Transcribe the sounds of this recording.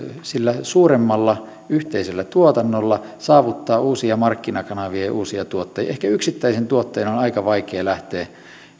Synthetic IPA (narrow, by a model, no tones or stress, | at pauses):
silːæsuːremːɑlːɑ | yht̪eiselːæt̪uot̪ɑnːolːɑ | sɑːʋut̪ːɑːʔuːsiɑmɑrkːinɑkɑnɑʋiɑjɑ̰ʔuːsiɑt̪uot̪ːɑj̰ɑʔehkæyksit̪ːæisent̪uot̪ːeinonɑikɑʋɑikeːlæht̪eː